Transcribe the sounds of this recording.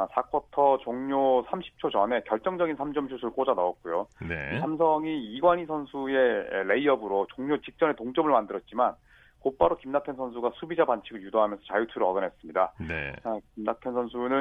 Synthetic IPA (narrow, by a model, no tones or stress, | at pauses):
sʰakʰwʌtʰʌt͡ɕoŋɲosʰamɕʰi̥p̚t͡ɕʰot͡ɕʌne̞kjʌɭt͡ɕ͈ʌŋd͡ʑʌɡinsʰamd͡ʑʌmɕʰusʰuɭk͈od͡ʑanʌʌt̚k͈ujonḛisʰams̬ʰʌŋiiɡwaɲisʰʌnsʰue̞ḛle̞iʌbɯɾot͡ɕoŋɲot͡ɕik̚t͡ɕ͈ʌne̞toŋt͡ɕ͈ʌmɯɭmandɯɾʌt̚t͡ɕ͈iman | kop͈aɾokimnakʰensʰʌnsʰuɡasʰubid͡ʑabant͡ɕʰiɡɯɭjudoɦamjʌnsʰʌt͡ɕajutʰuɾɯʌɡʌnɦe̞s͈ɯmɲidaeakimnatʰensʰʌnsʰunɯn